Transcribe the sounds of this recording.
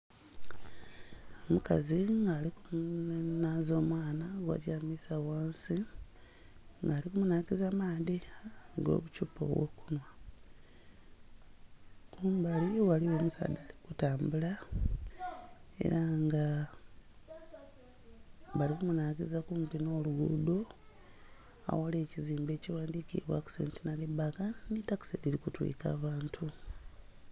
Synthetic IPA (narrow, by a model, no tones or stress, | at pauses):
omuka̰ziŋɡaːlikumnazo̞ːmwaːnaɡwa̰camisawaːnsi | ŋɡaːlikumunaːkizamaːdiɡo̞̰βucupo̞̰wo̰kunwa | kuːmbaliwaliwo̞ːmusa̰d̪ali̥kutaːmbula | ḛɾaŋɡa | βalikumunaːɡizakumpino̞ːluɡṵdo̞ | a̰wale̞ːciziːmbe̞ːciwaːndikiβwa̰ku̥sḛntinalibakanitaku̥seliɾikutwḭːka̰ːβaːntʰu